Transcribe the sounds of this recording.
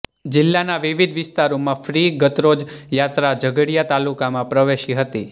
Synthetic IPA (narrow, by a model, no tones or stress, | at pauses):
d͡ʒɪlːanaʋɪʋid̪ʱʋɪst̪aɾomãfɾiɡət̪ɾod͡ʒjat̪ɾad͡ʒəɡəɽijat̪alukamãpɾəʋeʃiɦət̪i